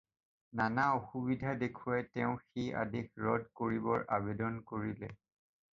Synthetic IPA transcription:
nanaoxubidʱadekʰʊatɛʊ̃xija̰dekɹɔdkoɹibɔɹʔabedɔnkoɹilɛ

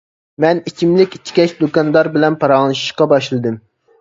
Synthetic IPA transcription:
mɛnit͡ʃʰimlɪkʲi̥t͡ʃʲʰːi̥kʲɛt͡ʃd̪okɑnd̪ɑɾbɪlɛnpʰɑɾɑnˠɨʃi̥ʃqɑbɑʃlˠɨd̪ɨm

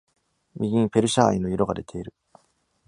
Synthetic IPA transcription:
mʲiɡʲĩpe̞ɾɯ̟ɕaa̰inojiɾoɡad̪e̞t̪ʰe̞iɾɯ̟

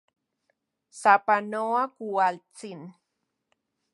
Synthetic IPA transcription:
sapanoakualt͡sin

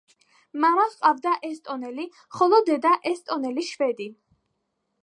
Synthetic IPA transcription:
maɾɔsqʼavd̪aʔɛst̪ʼɔnɛli | χɔlˠɔd̪ɛd̪aʔɛst̪ʼɔnɛliʃvɛd̪i

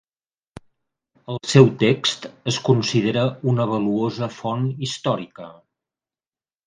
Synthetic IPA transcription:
əlˠsɛwt̪ekst̪əskunsiðeɾəunəβ̞əluozəfɔnist̪ɔɾikə

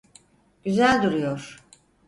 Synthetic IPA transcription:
ɟ̥yzælʲd̪uɾujoɾ̥

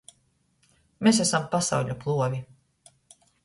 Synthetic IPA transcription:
mes̬æsampasa̰wʎʲuplˠuɔvʲi

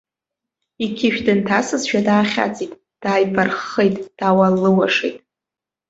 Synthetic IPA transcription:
ikʲʰɪʃᶣdɨntʰasɨzʃᶣadaːχʲa̰t͡sʼitʼ | d̥aːjpʰarχejtʼd̥awalːɨwaʂejtʼ

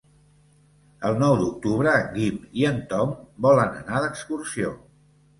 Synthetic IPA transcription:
əlˠnɔwd̪uk̚t̪uβɾəɣimiənt̪ɔmbɔlənə̰naðəkskursio

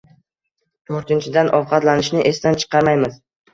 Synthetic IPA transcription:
t̪ʰoɾt̪ɪnt͡ʃʰɪd̪anʔɒvqʰɑt̪lanɪʃnɪʔe̞st̪ant͡ʃʰɨ̥qʰɑɾmajmɪz̥

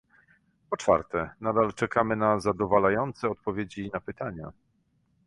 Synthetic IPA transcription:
pɔt͡ʂfa̰ɾt̪ɛnad̪alt͡ʂɛkʰamɘnazad̪ɔvalajɔnt̪sɛɔt̪̚pɔvʲjed͡ʑinapɘt̪aɲa̰

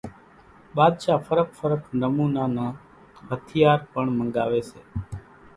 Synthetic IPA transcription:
ɓaːd̪ʃaːfʰəɾək̚ʰfʰəɾəkʰnəmuːnaːnãː | ɦət̪ʰɪjaːɾpəɳmə̃ŋɡaːʋeːseː

